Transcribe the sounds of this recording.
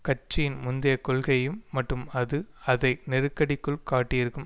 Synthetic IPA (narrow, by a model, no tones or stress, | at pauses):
kɐt͡ʃːɪjɪnmʊnd̪ɪjɐkɔɭɣɐjɯmːɐʈrɯmɐðɯɐðɐɪnɛɾɯkːɐɽɪkːɯɭkaːʈːɪjɪɾɯkːɯm